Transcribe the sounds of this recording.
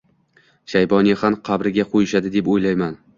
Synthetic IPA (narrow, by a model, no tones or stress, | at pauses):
ʃajbɒnihamqʰɑbɾɪɡʲaqʰojɪʃad̪ɪd̪e̞pojlajman